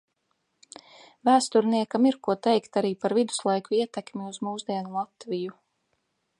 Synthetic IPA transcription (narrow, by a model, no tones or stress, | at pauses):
væːst̪uɾniɛkamiɾkuɔt̪ɛjkt̪aɾiːpaɾvid̪u̥slˠajkuiɛt̪ɛkmʲiuzmuːzd̪iɛnulˠat̪viju